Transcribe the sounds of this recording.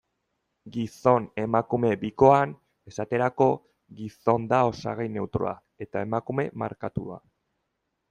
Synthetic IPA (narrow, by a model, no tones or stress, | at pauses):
ɡiso̞ne̞makume̞biko̞an | e̞sat̪e̞ɾako̞ | ɣiso̞nd̪ao̞sa̰ɣ̞ejne̞wt̪ɾo̰a̰ | e̞t̪ae̞makume̞ma̰ɾkat̪ua̰